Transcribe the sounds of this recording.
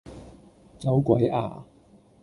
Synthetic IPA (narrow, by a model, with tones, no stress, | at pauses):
t͡sa˨˥wkwa˨˥jʔa̰ː˨˩